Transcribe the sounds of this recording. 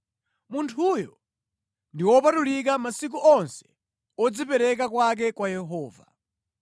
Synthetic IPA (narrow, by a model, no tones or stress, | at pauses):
muntʰujɔ | ndiwɔpatulik̬amasik̬uʔɔnsɛ̥ | ɔd͡zipɛɾɛk̬akwak̬ɛkwajɛɦɔːva